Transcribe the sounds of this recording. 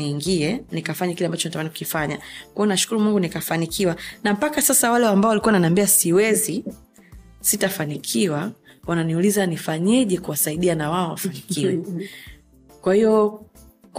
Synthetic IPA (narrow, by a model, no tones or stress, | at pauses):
iːŋɡiɛnikafaɲakilɛambat͡ʃɔnatamaniku̥kifaɲakwaɔnaʃu̥kuɾumuŋɡunikafanikʰiwanam̩pakasasawalɛwambaɔwalikuananambiasiwɛzi | sitafanikʰiwa | wananiulizanifaɲɛʄɛkuwasaiɗianawaɔwafanikʰiwɛ | kwahiɔ | k